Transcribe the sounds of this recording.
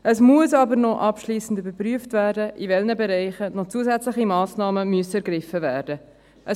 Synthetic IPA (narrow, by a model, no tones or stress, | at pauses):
ʔəsmuəsɑbəɾnɔʔɑpʃliːsən̩dybəɾpryəftvæːɾdəʔivɛlnəbɛɾɛɪχənɔt͡suəzæt͡slɪχimɑːsnɑːməmyəsɛɾɡɾɪfəvæːɾd̥ə | ʔə